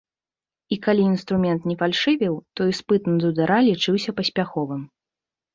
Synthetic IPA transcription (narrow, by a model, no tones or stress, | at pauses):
ikalʲiːnst̪ɾumʲɛnt̪nʲɛfalʲʂɨvʲɛwt̪ɔjspɨt̪nɐd̪ud̪aɾalʲit͡ʂɨwsʲɐpɐsʲpʲaxɔvɨm